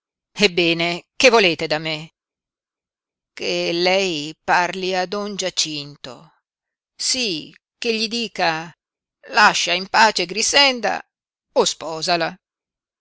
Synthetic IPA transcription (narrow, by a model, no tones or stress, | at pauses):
ebːɛːnekevːoleːt̪ed̪ame | kelɛjparliad̪ɔnd͡ʒat͡ʃint̪o̰ | si | keʎːid̪iːka | laʃːaimpaːt͡ʃeɡɾisɛnd̪a̰ | ospɔːzala